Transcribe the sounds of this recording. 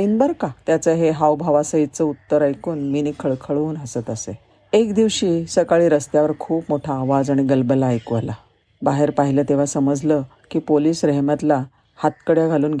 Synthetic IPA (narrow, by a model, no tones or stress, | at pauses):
t̪inbaɾkat̪jat͡səɦeɦawbʱaʋasəɦit͡səut̪ːəɾajkuːnminikʰəɭkʰəɭuːnəsət̪əse | ekd̪iʋɕiːsəkaɭiːɾəst̪jaʋəɾkʰuːpmoʈʰaːʋad͡zaɽ̃iɡəlbəlaːjkʋəla | baɦeɾpaɦilət̪eʋ̤asəməd͡zʱlə | kiːpoliːsɾɛɦmjat̪la | hat̪̚kəɽjaɡʱaluːnɡ